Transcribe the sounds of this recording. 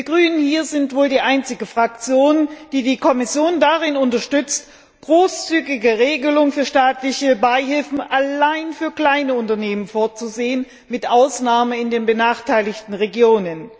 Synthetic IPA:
d̥iːɐɡʁyːnənhiːɐzɪntv̥oːldiːʔaɪnt͡sɪɡ̩fʁ̥ak̚t͡sjoːnd̥iːdiːkʰɔmɪsjoːndaʁɪnʊntɐʃtʏt͡st | ɡ̥ʁoːst͡syːɡɪɡəʁeːɡəlʊŋfyːɐʃtaːtlɪçəbaɪɦɪlfn̩ʔalaɪnfyːɐkl̥aɪnəʊntɐneːmənfoːɐt͡suzeːən | mɪtʔaʊsnaːməɪndeːnbənaːχtʰaɪlɪçtn̩ʁeɡjoːnən

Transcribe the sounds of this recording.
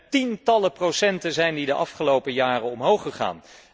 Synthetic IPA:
tintɑləprowsɛntənzɛjndidəʔɑfχəlowpəjaːrəɔmɦowχəχa̰ːn

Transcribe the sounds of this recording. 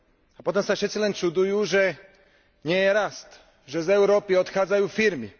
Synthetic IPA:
apɔt̪ɔmsafʂɛt̪silɛnt͡ʂud̪ujuʒɛ | ɲɛjɛɾast̪ | ʒɛzɛwɾɔpiɔt̪xadzajufiɾmi

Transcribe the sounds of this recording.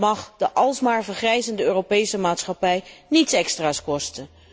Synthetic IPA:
mɑχdəʔɑlˠsmaːɹvəɹχrɛjzəndəøːrowpejsəmaːtsχɑpɛjnitsɛkstraːskɔstən

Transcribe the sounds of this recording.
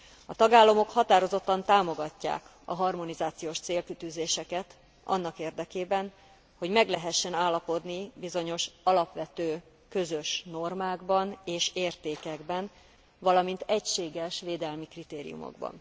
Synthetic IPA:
ɒt̪ɒɡaːlːɒmo̞khɒt̪aːɾo̞zo̞t̪ːɒnt̪aːmo̞ɡɒcːa̰ːk | ɒ̰ɦɒrmo̞nizaːt̪sijoːʃt̪seːlkyt̪yzeːʃɛkɛt̪ | ɒ̰nːɒkeːrd̪ɛkeːbɛn | ho̞ɟmɛɡlɛɦɛʃːɛnaːlːɒpo̞d̪nibizo̞ɲo̞ʃɒlɒpʋɛt̪øː | kø̞zø̞ʃno̞rmaːɡbɒneːʃeːrt̪eːkɛɡbɛn | vɒlɒmint̪ɛcʃeːɡɛʃʋeːd̪ɛlmikrit̪eːɾḭjṵmo̰ɡbɒ̰n

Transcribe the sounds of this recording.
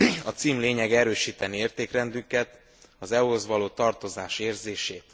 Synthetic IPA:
ɒt̪siːmleːɲɛɡɛɾøːʃiːt̪ɛnieːrt̪eːkrɛnd̪ykɛt̪ | ɒzɛuzʋɒloːt̪ɒrt̪o̞zaːʃeːrzeːʃeːt̪

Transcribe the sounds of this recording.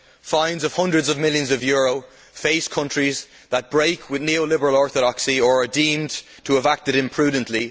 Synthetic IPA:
fãɪ̃ndzʌv̥hʌ̃ndɹədzəvmɪljə̃nzʌvjɔːɹoʊ | feɪskʰʌ̃nt͡ʃɹ̥iz | ðət̚b̥ɹeɪkʰwɪðnioʊlɪbəɹəlɔɹθəɾɑksiə˞ədĩːm | tʰəːvak̚tɨɾɪ̃mpʰɹ̥ʉːd̃ⁿn̩ʔli

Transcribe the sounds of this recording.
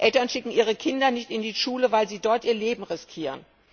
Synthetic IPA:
ʔɛltɐnʃɪkŋ̩ʔiːʁ̞əkʰɪndɐnɪçtɪndiːʃuːləvaɪlziːdɔɐtʔiːɐleːbm̩ʁɪskʰiːʁ̞ən

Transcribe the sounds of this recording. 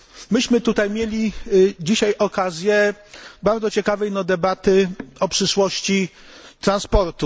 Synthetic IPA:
mɘɕmɘt̪ut̪ajmʲjelʲid͡ʑiɕajʔɔkazʲjɛbaɾd̪zɔt͡ɕɛkavɛjnɔd̪ɛbat̪ɘɔpʂɘʂwɔɕt͡ɕi | t̪ɾanspɔɾt̪u

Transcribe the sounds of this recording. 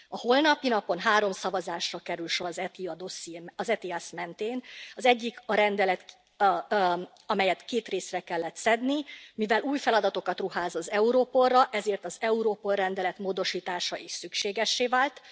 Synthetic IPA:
ɒho̞lnɒpinɒpo̞nɦaːɾo̞msɒvɒzaːʃrɒkɛɾylʃo̞ɾɒzɛiɒd̪osiɒzɛt̪iɛsmɛnt̪eːnɒzɛɟːikɒɾɛnd̪ɛlɛt̪ | ɒmɛjɛt̪keːt̪reːsrɛkɛlːɛt̪sɛd̪nimivɛlʔuːjfɛlɒd̪ɒt̪o̞kɒt̪ruɦaːzɒzɛuɾoːpo̞rːɒʔɛzeːrt̪ɒzɛuɾoːpo̞lrɛnd̪ɛlɛt̪moːd̪o̞ʃiːt̪aːʃɒʔeːʃsykʃeːɡɛʃːeːvaːlt̪

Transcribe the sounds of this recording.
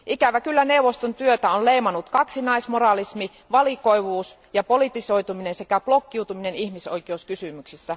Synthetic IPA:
ʔikæʋækylːæne̞uwʋost̪ont̪yøt̪æonleimɑnut̪kɑksinɑismorɑlismi | ʋɑliko̞iʋuːs | jɑpo̞lit̪iso̞it̪uminense̞kæplokːiut̪uminenihmisoikeuskysymyksisːæ

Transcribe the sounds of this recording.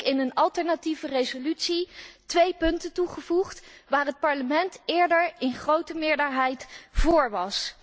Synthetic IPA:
ɪnənɑlˠtɛɹnativərejzolytsitʋejpɵntətuχəvuχtʋaːrɦət̚pɑɹləmɛntɪːɹdəɹɪnχrowtəmɪːɹdəɹɦɛjtv̥ʊːɹʋɑs

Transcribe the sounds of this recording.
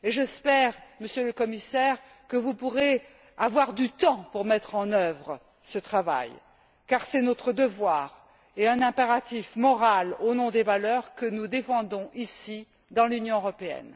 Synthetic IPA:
eʒəspɛʁməsjøləkɔmisɛʁ | kəvupuʁe | avwaʁd̪yt̪ɑ̃puʁmɛt̪χɑ̃nœvʁə | sət̪χava̰j | kaʁsɛnɔt̪χəd̪əvwaːʁ | eɛ̃nɛ̃peʁat̪ifmɔʁalonɔ̃d̪evalœʁkənud̪efɑ̃d̪ɔ̃ʔisi | d̪ɑ̃lynjɔ̃øʁɔpeɛ̰n

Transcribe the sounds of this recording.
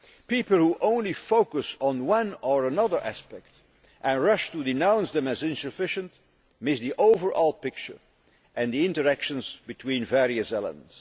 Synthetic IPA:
pipl̩ˠhuʔõʊ̃nlifoʊkəsn̩wʌ̃nəɹənʌðə˞ʔæ̰spɛkt | ʔɨ̃nɹʌʃtudɪnãʊ̃nsðɛ̃mɨzɪ̃nsɨfɪʃə̃nt | mɪsðiʔoʊvə˞ʔɔlˠpɪk̚t͡ʃə̰˞ | ʔɨ̃nd̪iɪ̃ntə˞ækʃə̃nzbɨtʰwĩːnvɛɹiɨsɛlˠə̰̃ns

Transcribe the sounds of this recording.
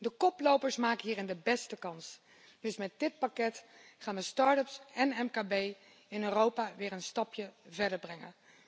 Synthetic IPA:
dəkɔplowpəɹsmaːkənɦiːrɪndəbɛstəkɑns | d̥ɵsmɛt̚dɪt̚pakɛtχaːnʋəstɑːɹtəpsɛnɛmkaːbej | ɪnøːrowpaːʋɪːɹənstɑpjəvɛɹdəɹbrɛŋə̰n

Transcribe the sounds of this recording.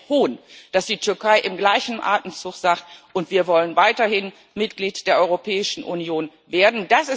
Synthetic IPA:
oːnd̥asd̥iːtʰʏɐkʰaɪʔɪmɡlaɪçn̩ʔa̰ɐtən̩t͡sʊχz̥aːktʔʊntv̥iːɐvɔlənvaɪtɐhɪn | mɪtɡ̥liːtd̥eːɐʔɔʏʁopʰɛːɪʃn̩ʔṵnjoːn | veːɐdn̩d̥asɪ

